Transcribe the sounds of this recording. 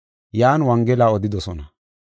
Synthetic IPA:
jaːnwɐŋɡɛlaːɔd̪ɪd̪ɔsɔnɐ

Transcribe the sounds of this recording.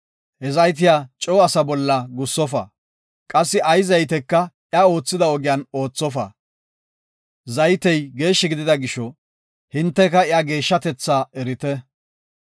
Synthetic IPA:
hɛzɐjt̪̬ɪjaːt͡ʃʼɔwɐsɐbɔlːɐɡʊsːɔfɐ̰ | kʼɐsːɪʔɐjzɐjt̪ɛkːɐ | jao̞ːt͡sːɪd̪ɐɔɡɪjɐno̞ːt͡sːɔfɐ̰ | zɐjt̪ɛjɡe̞ːʃːɪɡɪd̪ɪd̪ɐɡɪʃɔ | hɪnt̪ːɛkɐɪaɡe̞ːʃːɐt̪ɛt͡sːaːɛɾɪt̪ɛ

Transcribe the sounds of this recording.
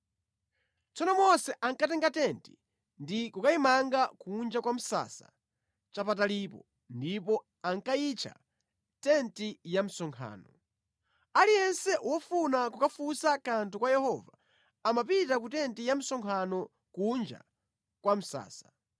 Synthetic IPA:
t͡sɔnɔmɔsɛʔaŋkatɛŋɡatɛnti̥ | ndikukaimaŋɡakund͡ʒakwam̩sa̰sa | t͡ʃapatalipɔ | ndipɔ | aŋkait͡ʃʰa̰ | tɛntijam̩sɔŋkʰa̰ːnɔ | alijɛnsɛʔwɔfunakukafusakantukwajɛhɔvaː | mapitakutɛntijam̩sɔŋkʰanɔ | kund͡ʒa̰ | kwam̩sa̰ːsḁ

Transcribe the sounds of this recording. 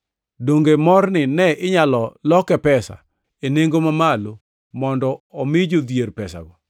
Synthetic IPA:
doŋɡemɔrnɪnɛʔɪɲalɔlɔkɛpɛsa̰ | eneŋɡomamalo | mɔndɔɔmɪd͡ʒod̪jerpɛsa̰ɡɔ

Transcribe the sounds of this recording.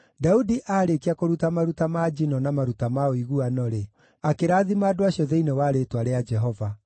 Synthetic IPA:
daudiʔaːɾekiakoɾutamaɾutamad͡ʒinɔnamaɾutamaoiɣuanɔɾe | akeɾaːðimaːdoaɕjɔðeinewaːɾetwaɾead͡ʒɛɦɔva

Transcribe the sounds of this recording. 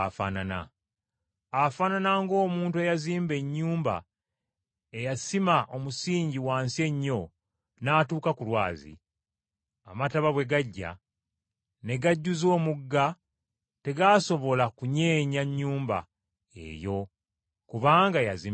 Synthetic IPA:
fa̰nana̰ | afananaŋɡo̞ːmuːntuejaziːmbe̞ɲːuːmba̰ | ejasimaʔo̞musiːɲɟiwaːnsie̞ɲːo̞ | naːtuːkakulwaːzḭ | a̰mataβaβwe̞ɡaɟːa̰ | ne̞ɡaɟːuzo̞ːmuɡːa | te̞ɡaːso̞βo̞lakuɲeːɲaɲːuːmba̰ | e̞̰jo̞ | kuβaːŋɡajazi

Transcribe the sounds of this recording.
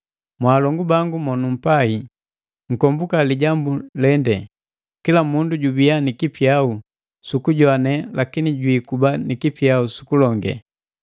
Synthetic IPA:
mwaːlɔŋɡubaŋɡumɔnum̩pai | ŋ̩kɔmbukaliɟambulɛndɛ | kilamunduɟubianikipjau | sukuɟwanɛlakiniɟwiːkubanikipjausu̥kulɔŋɡɛ̰

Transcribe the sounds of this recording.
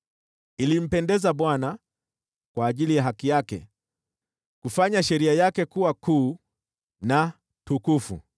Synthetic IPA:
ilim̩pɛndɛzaɓwana | kwaːʄilijaɦakijakɛ̰ | kufaɲaʃɛɾiajakɛkuwakuː | na | tukufṵ

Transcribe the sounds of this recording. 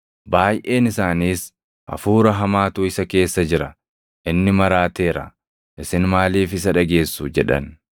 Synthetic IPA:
baːjʔe̞ːnɪsaːniːs | ʔɐ̰fuːɾɐɦɐmaːt̪uːɪsɐke̞ːsːɐd͡ʒɪɾɐ | ʔɪnːɪmɐɾaːt̪e̞ːɾɐ̰ | ʔɪsɪnmaːliːfɪsɐᶑɐɡe̞ːsːud͡ʒɛᶑɐ̰n

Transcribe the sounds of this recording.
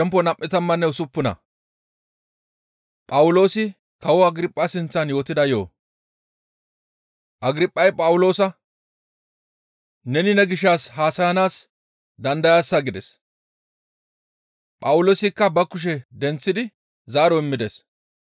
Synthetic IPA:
ʃɛmpːɔnɐmʔʼːɪt̪ɐmːɐnːɛʊsʊpːʊnɐ̰ | pʼɐwʊlo̞ːsɪ | kɐwɔɐɡɾɪpʼːɐsɪnt͡sːɐnjo̞ːt̪ɪd̪ɐjo̞ː | ʔɐɡɾɪpʼːɐjpʼɐwʊlo̞ːsɐ | nɛnɪnɛɡɪʃːaːshaːsɐjɐnaːs | d̪ɐnd̪ɐjaːsːɐɡɪd̪ɛs | pʼɐwʊlo̞ːsɪkːɐbɐkːʊʃ̬ɛd̪ɛnt͡sːɪd̪ɪ | zaːɾɔɪmːɪd̪es

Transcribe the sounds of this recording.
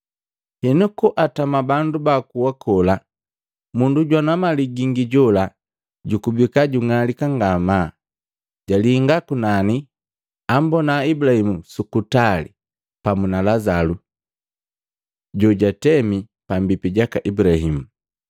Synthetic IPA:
hinukuʔatamabandubakuwakʰɔla | munduɟwanamaliɡiŋɡiɟɔla | ɟukubikaɟuŋalikaŋɡama | ɟaliːŋɡakunani | ambɔnaibulahimusukutalḭ | pamunalazalu | ɟɔɟatɛmi | pambipiɟakaʔibulahimu

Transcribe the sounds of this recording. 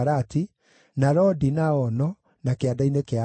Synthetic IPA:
ɾati | naɾɔdinaɔnɔ | nakeadainekea

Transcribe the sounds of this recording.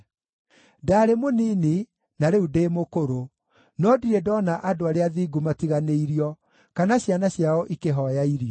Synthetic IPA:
daːɾemoniːni | naɾeudeːmokoɾo | nɔdiɾɛdɔnaʔadoaɾeaðiːɡumatiɣaneiɾiɔ | kanaɕjanaɕjaɔʔikeɦɔjaiɾiɔ

